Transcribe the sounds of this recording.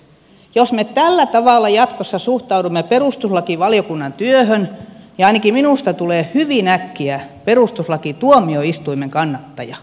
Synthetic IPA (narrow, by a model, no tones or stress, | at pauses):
josmet̪ælːæt̪ɑʋɑˑlːˑɑjɑt̪kosːɑsuht̪ɑudumːeperust̪uslɑkiʋɑljokunːɑnt̪yøhønjɑɑinɑkiminuˑst̪ɑt̪uleːhyʋiˑnækːiæperust̪uslɑkit̪uomioist̪uimeŋkɑnːɑt̪ːɑjɑ